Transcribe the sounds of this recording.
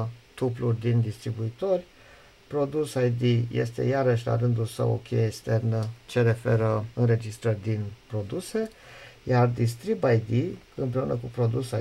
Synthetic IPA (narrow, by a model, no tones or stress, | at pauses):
t̪uplurʲd̪ind̪ist̪ɾibuit̪o̞rʲ | pɾo̞d̪usajd̪ije̞̰st̪e̞̰jaɾəʃ̬ʲla̰ɾɨnd̪ulsə̰wo̰kʰʲejeekst̪e̞rnət͡ʃe̞ɾe̞fe̞ɾəɨnre̞d͡ʒist̪ɾərʲd̪inpɾo̞d̪use̞jard̪ist̪ɾibajd̪i | ɨmpɾe̞unʔəkupɾo̞d̪usa